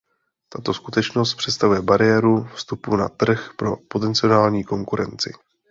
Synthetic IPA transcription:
t̪at̪o̞skut̪ɛt͡ʃno̞st̪̚pr̝̥ɛt̪st̪avujɛbaɾɪjɛːɾufst̪upuna̰t̪r̩xpɾo̞pot̪ɛnt͡sɪo̞naːlɲiːko̞ŋkuɾɛ̰nt͡sɪ̰

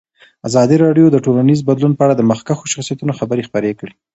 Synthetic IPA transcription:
azɑd̪iɾɑɖjod̪əʈolanizbad̪lunpəaɽad̪əmaxkaxoʃaxsijat̪unoxabəɾexpəɾekɽi

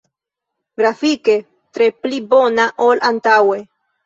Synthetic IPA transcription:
ɡɾafike̞ | tɾe̞plibo̞naʔolʔantawe̞

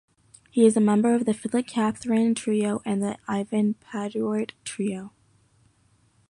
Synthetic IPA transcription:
hiɨzəmɛ̃mbə˞ʌvðɨfɪlˠɨkʰæθɹɨ̃ntʰɹ̥ioʊʔɨ̃nðiʔaɪvɨ̃npʰædɹəɹdtʰɹ̥ioʊ

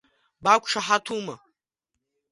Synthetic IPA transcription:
bakʷʰʼʂaħatʰuma

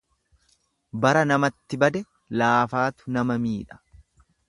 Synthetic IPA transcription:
bɐɾɐnɐmɐt̪ːɪbɐd̪ɛ | laːfaːt̪ʊ̥nɐmɐmiːᶑɐ̥

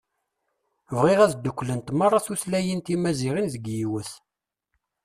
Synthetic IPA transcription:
vʁiʁæðd̪ːəkʷːlənt̪mɑrˤːɑθuθlæjint̪imæziʁinðəɡjiwəθ

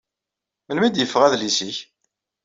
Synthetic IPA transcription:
məlmid̪jəfːəʁæðlisiç

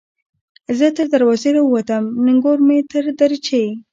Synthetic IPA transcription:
zət̪əɾd̪aɾwɑzeɾawat̪amnɪŋɡoɾmet̪əɾd̪aɾt͡ʃej

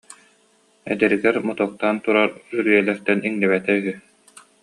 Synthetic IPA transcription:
ɛ̰d̪ɛɾiɡɛɾmɔt̪ɔk̚t̪ant̪uɾaɾyɾyjɛlɛɾt̪ɛniŋnɛβɛt̪ɛyɦy

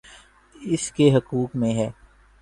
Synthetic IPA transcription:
ɪskeɦɐkuːkmẽɦɛː

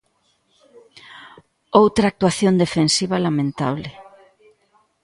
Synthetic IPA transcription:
owt̪ɾaːk̚t̪waθjond̪efensiβɐlamẽnt̪a̰βlɪ

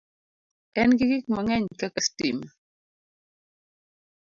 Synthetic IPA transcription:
ɛnɡɪɡik̚maŋɛɲkakastim

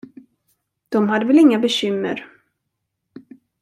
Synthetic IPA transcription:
d̪̥ɔmɦad̪ːəvɛlɪŋːabɛɕʏmːə̰ɾ

